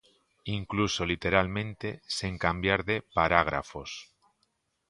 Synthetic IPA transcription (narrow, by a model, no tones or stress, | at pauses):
iŋkluso̞lit̪e̞ɾalmẽ̞nt̪e̞siŋkambjaɾðe̞paɾaɣ̞ɾa̰fo̞̰s